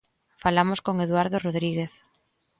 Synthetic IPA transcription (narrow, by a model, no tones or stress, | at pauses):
falamoskoŋeðwaɾðoroðɾiɣeθ